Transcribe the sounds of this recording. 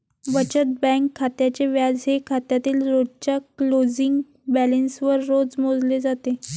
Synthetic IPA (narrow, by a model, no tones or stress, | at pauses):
bət͡ɕət̪̚bɛ̃ŋkʰːat̪jat͡ɕeʋjad͡zɦekʰat̪jat̪iːlɾodt͡ɕjaklod͡ziŋɡ | bælənsʋəɾːod͡zmod͡zled͡zat̪e